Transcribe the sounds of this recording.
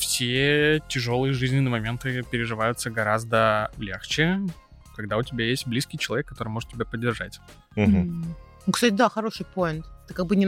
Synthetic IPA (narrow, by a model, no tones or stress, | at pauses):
fsʲetʲɪʐo̞lˠɨjəʐɨzʲnʲɪnɪəmɐmʲe̞nt̪ɨpʲɪɾʲɪʐɨvajʊt̪səɡɐɾazd̪əlʲḛxt͡ɕɪ | kɐɡd̪aʊtʲɪbʲajesʲt̚ʲblʲiskʲɪijt͡ɕɪlˠɐvʲekːɐt̪o̞ɾɨjmo̞ʐɨt̪tʲːɪbʲapədʲːɪrʐa̰t̩ʲ | ukst̪atʲɪd̪axɐɾo̞ʂɨjpo̞ɪnt̪t̪ɨkaɡ̚bɨnʲɪ